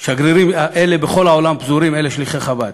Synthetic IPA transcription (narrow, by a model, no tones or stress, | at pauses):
ʃaɡɾiɾimaʔelebeχo̞lao̞lampzuɾimeleʃliχeχabad̪̚